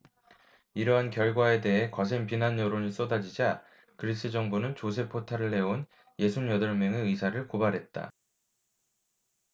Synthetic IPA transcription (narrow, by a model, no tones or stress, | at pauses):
iɾʌɦankjʌɭɡwae̞de̞ɦe̞kʌs̬ʰeŋpinanjʌɾoɲis͈odad͡ʑid͡ʑa | kɯɾis͈ʰɯd͡ʑʌŋbunɯnt͡ɕos̬ʰe̞pʰːotʰaɾɯɭːe̞on | je̞sʰumjʌdʌɭmjʌŋeɯisʰaɾɯɭkobaɾɦe̞t̚t͈a̰